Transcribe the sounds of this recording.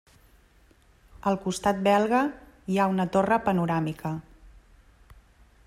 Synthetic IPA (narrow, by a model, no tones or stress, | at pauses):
əlˠkust̪at̪̚bɛlˠɣə | iaunət̪orəpənuɾamikʰə